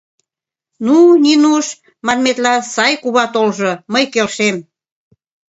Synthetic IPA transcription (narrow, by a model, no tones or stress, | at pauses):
nuninuʃ | mɑnmet̪lɑsɑjkuβɑt̪olʒoməjkelʃem